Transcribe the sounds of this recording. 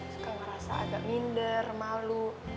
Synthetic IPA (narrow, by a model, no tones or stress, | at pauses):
skaməɾasa̰ʔa̰ɡa̰ʔmindərmalu